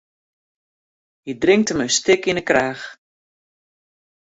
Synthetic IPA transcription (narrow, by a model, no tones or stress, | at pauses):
hidrɪŋk̚təmənstɪkinəkraːx